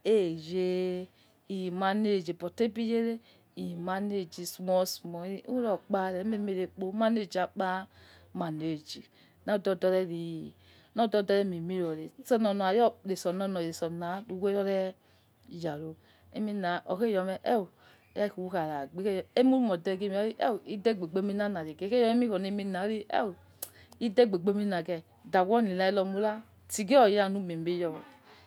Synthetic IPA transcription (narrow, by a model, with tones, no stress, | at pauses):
e˦˨je˦ | i˨ji˨ma˨ne˦˨d͡ʒe˨bɔ˨te˦bi˦je˦ɾe˦ | i˨ji˨ma˨˦ne˦˨d͡ʒi˨su˨mɔ˦su˨mɔ˨i˦u˦ɾɔ˦k͡pa˦˨ɾɛ˨˦me˦me˦ɾe˨k͡po˦ma˦ne˦˨d͡ʒi˨a˨k͡pa˦ | ma˨ne˨d͡ʒi˨ | na˦˨dɔ˦˨dɔ˧˦ɾɛ˦ɾi˨ | nɔ˦dɔ˦˨dɔ˦ɾɛ˦mi˨mi˦ɾo˨ɾe˨˦sɔ˦nɔ˨nɔ˨a˨jɔ˦ɾe˨sɔ˨nɔ˦nɔ˨e˨sɔ˨na˨˦ɾu˨we˦ɾɔ˦ɾɛ˦˨ | ja˨ɾo˨ | ḛ˦mi˦na˨ʔɔ˨ke˦jɔ˧mɛ˨ʔɛ̰˦˨wu˨˦ | ja˦i˨u˨wu˦ka˨ɾa˨ɡ͡be˦e˦˨je˦mu˦u˦mɔ˨dɛ˧˨ɡe˦m˨˦i˦ʔɛ̰˦wi˦dɛ˦˨ɡ͡be˨ɡ͡be˧˦mi˧˦na˦na˨ɾi˨ɡe˨˦ke˦ɔ˦e˦mi˦hɔ˨ne˨˧˦mi˧na˨˦ɾi˦ɛ̰˦˨wu˨ | i˦dɛ˦˨ɡ͡be˨ɡ͡be˦mi˦na˨ɡɛ˨ | da˨wɔ˦ni˨la˧˦i˧˦lɔ˧mu˦la˦ | ti˨ɡe˦ɔ˨ja˨nu˦˨me˨m˨be˦jɔ˧wɔ˨